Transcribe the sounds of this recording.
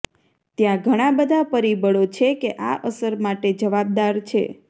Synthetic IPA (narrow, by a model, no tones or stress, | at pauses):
t̪jãɡʱəɽ̃ãbəd̪ʱapəɾibəɭot͡ʃʰekeʔaʔəsəɾmaʈed͡ʒəʋab̚d̪aɾt͡ʃʰḛ